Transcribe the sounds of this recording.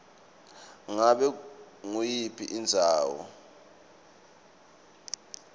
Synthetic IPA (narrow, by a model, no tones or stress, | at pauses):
ŋaɓɛ | ŋujipʰiʔind͡zʱaːwɔ̰